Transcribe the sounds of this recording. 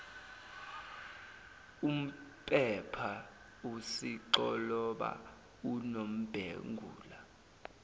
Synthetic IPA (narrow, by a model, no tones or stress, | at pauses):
um̩pʼɛpʰa | usiǃɔlɔɓa̰ | unom̩b̥ʱḛŋɡʱṵːla